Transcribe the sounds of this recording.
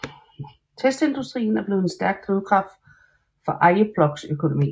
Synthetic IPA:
t͡sʰesd̥e̝nd̥usd̥ʁḭːn̩æɐb̥le̝ːð̩ˠensd̥æɐɡ̥̚t͡sʰʁiðˠkʰʁɑ̈fd̥ | fɒ̽ʔɑ̈ɪəb̥lɒ̽ɡ̥søkʰo̝no̝mḭː

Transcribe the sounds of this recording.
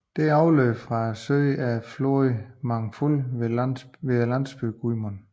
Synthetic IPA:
d̥e̝æɑʊløfʁɑ̈søɪæfloimɑ̈ŋfuleʋe̝lænsb̥yɡ̥umɔn

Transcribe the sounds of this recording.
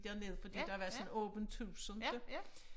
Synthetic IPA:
d̥eɐne̝ðˠfɒ̽d̥ḭːd̥ɑhɑʋæːɐsɔnɔːb̥ənt͡sʰuːsɔnd̥e

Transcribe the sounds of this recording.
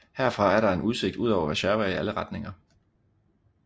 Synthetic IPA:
heɐfʁɑ̈æɐɾ̥ɑ̈e̝nuðˠse̝ɡ̥̚d̥uð̞̰ˠɒʊɐʋæɕæɐʋɐiæləʁɑ̈d̥ne̝ŋɐ

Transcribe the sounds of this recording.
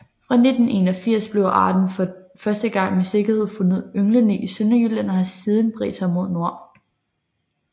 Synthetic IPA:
fʁɑ̈ne̝d̥n̩e̝̰ːnɒfiɐ̰sb̥le̝ʊʔɑ̈ːd̥n̩fɶɐsd̥əɡ̥ɑ̈ŋ̰mese̝ɡ̥ɐhe̝ð̞̰ˠfɔ̽nəð̩̰ˠøŋlənḛːisønɐjylæn̰ɐhæsiːð̞ˠn̩b̥ʁɛ̰sʰɐmo̝ðˠno̝ɐ̰

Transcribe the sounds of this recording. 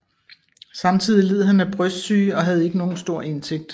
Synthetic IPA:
sɑ̈mt͡sʰið̞̰ˠile̝ð̰̩ˠɦhænæb̥ʁœsd̥sy̰ːɒ̽ɦæð̞ˠe̝ɡ̥əno̝ːn̩sd̥o̝ɐ̰e̝nse̝ɡ̥̚d̥

